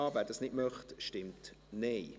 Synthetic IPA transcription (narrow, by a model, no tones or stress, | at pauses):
ɑːvæːɾdɑsnɪtmœχtʃtɪmtnɛɪ